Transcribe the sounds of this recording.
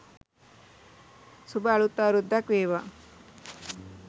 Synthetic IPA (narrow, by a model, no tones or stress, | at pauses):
subaːɭut̪ːaːɾud̪ːakʋeːʋa